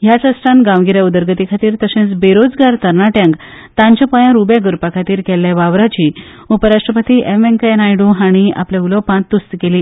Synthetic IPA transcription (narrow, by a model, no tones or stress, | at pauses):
jat͡səsʈãnɡãʋɡiɾjaud̪əɾɡət̪ikʰat̪iːɾt̪əsẽt͡sbeɾod͡zɡaɾt̪əɾɳaʈjãŋk | t̪ãɲt͡ɕãpəjãɾubjaɡəɾpakʰat̪iːɾkɛlːjaʋaʋɾat͡ɕiː | upəɾaʂʈɾəpət̪iːʔemeŋkenajɽuɦaɽ̃ia̰plãulɔpãt̪ːust̪keliː